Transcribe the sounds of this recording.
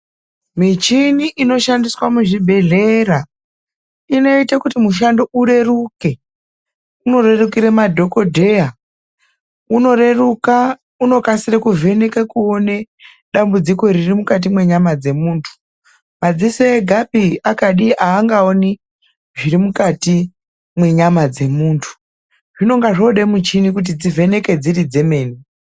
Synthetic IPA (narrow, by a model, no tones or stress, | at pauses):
mit͡ʃiniʔino̞ʃandiswamuʐibʱe̞ɮeɾa | ino̞itakutimuʃ̬ando̞ʔuɾe̞ruke̞ | uno̞re̞rukiɾemadʱo̞ko̞dʱe̞a | unoreruka | uno̞kasirekuve̞nekekuo̞ne̞ | ɗambud͡ziko̞iɾirimukat̬imwe̞ɲamad͡ze̞muːntʰu̥ | mad͡zisoeɡʱapiakaɗiʔaːŋɡaoni | ʐirimukati | mwe̞ɲamad͡ze̞muːntʰu̥ | ʐ̥ino̞ŋɡaʐoɗemut͡ʃinikut̬id͡zivʱe̞ne̞ke̞d͡zirid͡ze̞me̞ːni